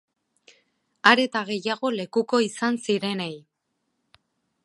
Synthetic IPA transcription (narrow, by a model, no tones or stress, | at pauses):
aɾe̞t̪aɣe̞jaɣo̞le̞kuko̞isansiɾe̞nej